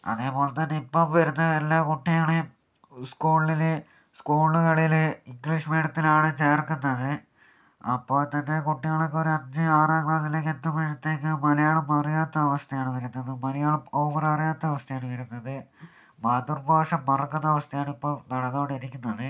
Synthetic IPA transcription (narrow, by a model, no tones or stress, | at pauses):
ɐ̰ðe̞ːpo̞ːlɐmt̪ɐnːe̞ipːomʋɐɾunːɐðe̞lːaːkuʈːijaːɳɨ | skuːɭil | skuːɭuɣɐɭiliŋɡɭiʂmeːɖɐt̪ːilaːɳɨt͡ɕe̞ːrkːunːɐðɨ | ɐpːo̞ːɭt̪ɐnːe̞kuʈːijaːɭokːeo̞ɾuɐɲd͡ʑɨaːrɐːŋɭat̪ːileːk̬ʲːend̪ɐmɐʂɐt̪ːe̞ːkːɨmɐlɐjaːɭɐmɐrijaːt̪ːɐːʋɐst̪ʰɐjaːɳɨʋɐɾunːɐðɨmɐlɐjaːɭɐmo̞ːʋɐrɐrijaːt̪ːɐɐʋɐst̪ʰɐjaːɳɨʋɐɾunːɐðɨ | baːd̪urbaːʂɐmːɐrɐkːunːɐʋɐst̪ʰɐjaːɳipːoːɭnɐɽɐðoːɽiɾikʲːunːɐðɨ